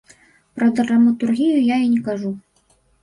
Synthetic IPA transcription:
pɾɐd̪rrɐmɐt̪urɣʲijujainʲɛkaʐu

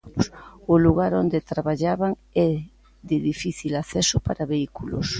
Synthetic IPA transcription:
sʊluɣaɾond̪et̪ɾaβaʎaβaŋ | ɛ | ðɪðifiθilaθɛsʊpaɾaβeikulo̰s

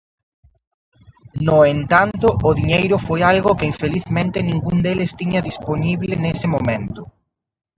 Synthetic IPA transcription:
nʊent̪ant̪ʊʔʊðiɲejɾʊfojalɣʊkɪiɱfeliθmẽnt̪ɪnĩŋɡuŋd̪elɪst̪iɲɐðisponiβlɪnesɪmomẽnt̪ʊ

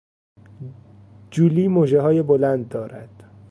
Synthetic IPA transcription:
d͡ʒuːliːmoːʒeɦɒːjebolænd̪̚ːɒːɾæd̪̥

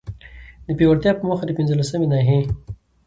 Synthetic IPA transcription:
d̪əpewaɽt̪jɑpəməxad̪əpɪnzəlasəmenɑɦe

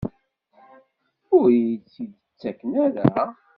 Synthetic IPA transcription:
ʊɾt͡sːid̪ət͡sːækːnæɾæ

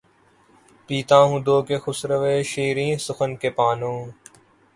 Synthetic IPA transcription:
piːt̪ãːɦũːd̪oːkeːxʊsɾəʋeːʃiːɾĩːsʊxənkeːpaːnõː

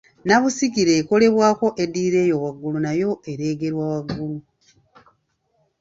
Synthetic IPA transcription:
naβusikiɾe̞ːko̞le̞βwaːko̞ʔediːɾe̞ːjowaɡːulunajo̞ʔe̞ɾe̞ːɡe̞ɾwawaɡːulu

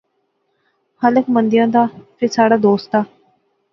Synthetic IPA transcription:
hələkmənd̪ɪjãːd̪aːpʰɪɾsaːɽaːd̪oːst̪aː

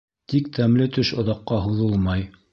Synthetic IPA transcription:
t̪ik̚t̪ʰæmlɘt̪ɵʃŏðɑqːɑɦuðɤlˠmɑj

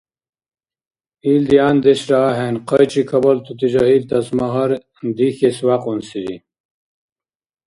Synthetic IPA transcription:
iːld̪iaːnd̪eɕɾaːɦenqɐjt͡ɕikʰɐbɐlt̪ut̪id͡ʑɐɦiːlt̪ɐsmɐɦɐɾ | d̪ixeswaːqunsid͡ʑḭ

